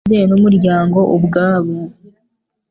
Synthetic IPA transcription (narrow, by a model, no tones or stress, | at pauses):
zenomuɾjaːŋɡo̞ʔobɡaːβo